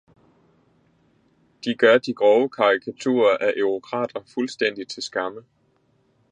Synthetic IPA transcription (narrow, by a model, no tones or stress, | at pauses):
d̥iɡ̥ɶɐd̥iɡ̥ʁɒʊəkʰɑ̈ʁikʰæt͡sʰṵːɐʔæʔøʁokʰʁɑ̰̈ːd̥ɐfulsd̥en̰d̥it͡sʰe̝lsɡ̥ɑ̈mə